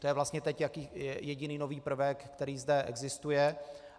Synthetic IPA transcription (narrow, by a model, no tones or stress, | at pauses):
t̪ojɛvlast̪ɲɛt̪ɛcjakiːɛjɛɟɪniːnoviːpr̩vɛkːt̪ɛɾiːzdɛʔɛ̰ɡzɪst̪ujɛ